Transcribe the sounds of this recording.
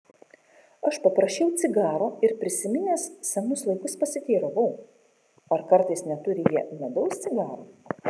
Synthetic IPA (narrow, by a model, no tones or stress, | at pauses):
ɐʃpɐpɾɐʃʲt͡ʃʲɛʊt̪sʲɪɡɑːɾoːɪɾpʲɾʲɪsʲɪmʲɪnʲeːssɐnʊslˠɐɪkʊspɐsʲɪt̪ʲiːɾɐʋɐʊ | ɐɾkɐɾt̪ɐɪsnʲɛt̪ʊɾʲɪjiɛmʲɛd̪ɐʊst̪sʲɪɡɑːɾoː